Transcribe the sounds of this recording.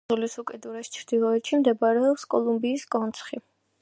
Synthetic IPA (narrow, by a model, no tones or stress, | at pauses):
ulisukʼɛd̪uɾɛst͡ʃʰɾd̪ilˠɔɛt̪ʃimd̪ɛbaɾɛɔpskʼɔlˠumbiːskʼɔnt̪sʰχi